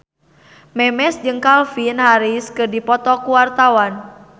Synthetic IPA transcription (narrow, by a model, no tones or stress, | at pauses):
mɛmɛsd͡ʒɨŋkalfinhaɾiskɨrdipɔt̪ɔkuwart̪awan